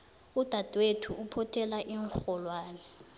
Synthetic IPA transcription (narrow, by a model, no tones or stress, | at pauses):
ud̥ʱad̥ʱwetʰuʔupʰɔtʰɛlaʔiŋxɔlwaːnɛ